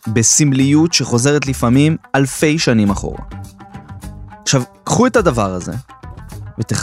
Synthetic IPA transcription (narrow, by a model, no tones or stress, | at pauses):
besimlijutʃe̞χo̞ze̞ʁet̪lifamimalfe̞jʃanimaχo̞̰ʁa̰ | aχʃavkχue̞tadavaʁaze̞̰ | vet̪eχ